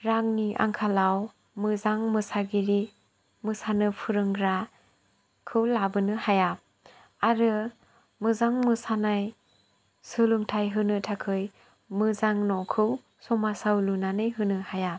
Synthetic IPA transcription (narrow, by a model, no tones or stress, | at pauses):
ɾaŋniʔa̰ŋkʰalaw | mɯzaŋmɯsaɡiɾi | mɯsanɯpʰɯɾɯŋɾa | kʰɯwlabɯnɯhajap̚ | aɾɯ | mɯzaŋmɯsanaj | sɯlɯŋtʰajɦɯnɯtʰakʰɯj | mɯzaŋnɔkʰɯw | sɔmasawlunanɯjɦɯnɯhaja